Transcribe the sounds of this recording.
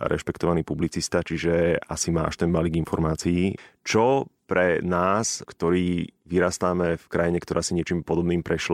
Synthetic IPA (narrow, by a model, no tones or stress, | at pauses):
ɾɛ̰ʃpɛkt̪ɔʋaniːpublit͡sist̪at͡ʃiʒɛa̰sima̰ːʃt̪ɛnbaliɡinfɔɾmaːt͡siːt͡ʃɔpɾɛnaːskt̪ɔɾiːʋiɾaːst̪aːmɛfkɾajiɲɛkt̪ɔɾʔaːsiɲɪɛt͡ʃiːmpɔd̪ɔbniːmpɾɛʃla